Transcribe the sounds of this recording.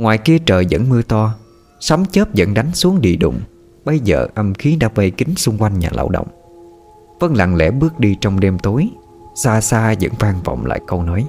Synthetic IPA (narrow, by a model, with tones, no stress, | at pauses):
ŋwaː˨˩jki˧ət͡ɕəː˨˩jzə̰˧˥nmɨ˧ət̪ɔ˧ | sa˨˦wŋ͡mt͡ɕəː˦˥p̚zə̰˧˥nɗa˨˦jŋ̟su˨˦əŋɗḭ˧˨ɗʊ̰˧˨ŋ͡m | ɓə˨˧jzə̰ː˨˩ʔə˧mxi˨˦ɗa̰ː˧˥və˧jkï˨˦ŋ̟sʊ˧ŋ͡mkwa˧jŋɲa̰ː˨˩la̰ː˧˩wɗə̰˧˨wŋ͡m | fə˧nla̰˧˨˩ŋlɛ̰˧˥ɓɨ˦˥ək̚ɗi˧t͡ɕɔ˧wŋ͡mɗe˧mt̪o˨˦j | saː˧saː˧zə̰˧˥nvaː˧ŋvɔ̰˧˨wŋ͡mla̰ː˧˨jkə˧wnɔ˨˦j